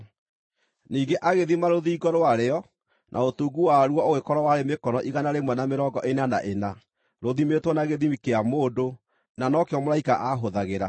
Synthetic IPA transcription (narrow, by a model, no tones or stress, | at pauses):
niːɡeʔaɣeðimaɾoðiːɡɔɾoaɾeɔ | nʔa̰otuːɡuwaɾwɔoɣekɔɾɔwaɾemekɔnɔʔiɣanaɾemwɛnameɾɔɡɔʔenana̰ʔena | ɾoðimetwɔnaɣeðimikeamoːdo | nanɔkeɔmoɾaikaʔaɦoðaɣeɾa